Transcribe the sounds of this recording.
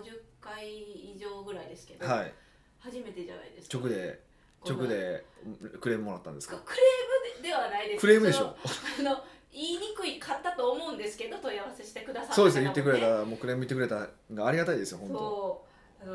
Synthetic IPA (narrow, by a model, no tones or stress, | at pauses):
ʑɨkːaiːʑo̞ːɡɯ̟ɾaid̪e̞sɨ̥ke̞d̪haḭ | haʑime̞t̪e̞ʑa̰na̰id̪e̞sɨ̥t͡ɕokɯ̟d̪e̞ | t͡ɕo̞kɯ̟d̪e̞ | kɯ̟ɾe̞ːmɯmo̞ɾat̪ːãnd̪eskkɯ̟ɾeːmɯ̟d̪e̞βanaid̪e̞skɯ̟ɾe̞ːmɯd̪eɕo̞̰ːano̞iːɲ̟ikɯ̟ikʰat̪ːat̪oːmo̞ɯ̟̃nd̪esɨ̥ke̞d̪o̞t̪o̞ijaβase̞ɕi̥t̪e̞kɯ̟d̪asaso̞ːd̪esnejɯt̪ːekɯ̟ɾe̞t̪amoːkɯ̟ɾe̞ːmɯit̪ːekɯɾet̪aɡaːɾiɡat̪aid̪esɨjoɦõ̞nt̪o | ano